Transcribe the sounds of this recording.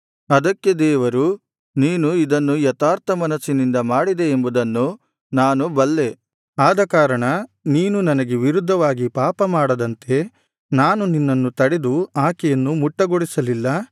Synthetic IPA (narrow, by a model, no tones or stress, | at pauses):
ɐd̪ɐkːe̞d̪ɛːʋɐɾu | niːnuid̪ɐnːujɐt̪aːɾt̪ʰɐmɐnɐsːinind̪ɐmaːɽid̪e̞ːmbud̪ɐnːu | naːnubɐlːe̞ | aːd̪ɐkaːɾɐɳɐniːnunɐnɐɡeʋiɾud̪ʱːɐʋaːɡipaːpɐmaːɽɐd̪ɐnt̪e̞ | naːnuninːɐnːut̪ɐɽed̪uaːkɛjɐnːumuʈːɐɡoɽisɐlilːɐ